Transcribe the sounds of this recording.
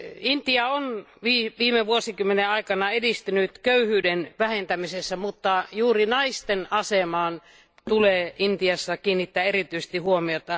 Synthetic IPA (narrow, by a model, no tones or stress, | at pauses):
int̪iɑonʋiʋiːmeʋuosikymːeneɑikɑnɑedist̪ynyt̪køyhyːdenʋæhent̪æmisesːæmut̪ːɑjuːrinɑist̪enɑsemɑːn | t̪uleːʔint̪iɑsːɑkiːnːit̪ːæːerit̪yise̥st̪ihuomiot̪ɑ